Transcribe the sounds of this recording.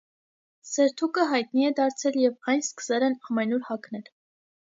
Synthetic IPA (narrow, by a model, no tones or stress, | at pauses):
sɛɾt̪ʰukəɦɑjt̪niɛd̪ɑɾt͡sʰɛljɛvɑjnskə̥sɛlɛnɑmɛnuɾhɑknɛl